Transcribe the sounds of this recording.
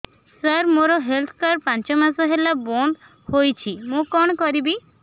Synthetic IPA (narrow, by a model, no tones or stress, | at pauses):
səɾmoɾɔɦelt̪ʰɔ̥kaɾpant͡ʃɔmasɔɦelabond̪ | hojt͡ʃʰimũkɔɳ̃ɔkɔɾibi